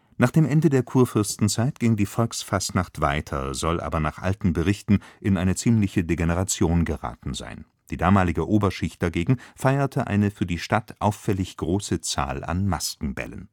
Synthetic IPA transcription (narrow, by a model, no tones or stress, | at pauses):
naːχd̥eːmʔɛndədeːɐkʰuːɐfʏɐstn̩t͡saɪtɡ̥ɪŋdiːfɔlksfastnaχtv̥aɪtʰɐ̰zɔlʔa̰ːbɐnaːχʔa̰ltn̩bəʁɪçtn̩ʔɪnʔaɪnət͡siːmlɪçədeɡenəʁat͡sjoːnɡəʁa̰ːtn̩za̰ɪn | d̥iːdaːmaːlɪɡəʔoːbɐʃɪçtd̥aɡeːɡŋ̩faɪɐtʰəʔa̰ɪnəfyːɐdiːʃtatʰʔaʊfːɛlɪçɡ̥ʁoːsət͡sa̰ːla̰nmaskŋ̩bɛ̰lə̰n